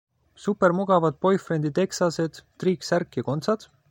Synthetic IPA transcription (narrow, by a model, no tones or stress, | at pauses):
supːe̞ɾmuɡ̥ɑvɑd̪̥̚po̞jfrend̪̥it̪e̞ksɑse̞d̪̥t̪riːksæɾkːˑjɑko̞nt̪sɑd̪̥